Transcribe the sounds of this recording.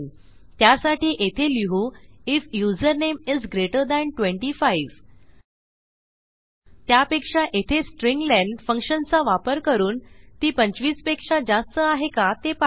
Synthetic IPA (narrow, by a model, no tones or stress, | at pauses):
t̪jasaʈiːʔet̪ʰeliɦuifjuzəɾnemizɡɾeʈəɾd̪æ̃ɳʈʋẽɳʈifaiʋ | t̪japekʂaʔet̪ʰesʈɾĩŋɡlæ̃ɳɖfəŋkʂənt͡saʋapəɾkəɾuːnt̪iːpəɲt͡ɕʋiːspekʂad͡zast̪əaɦekat̪ep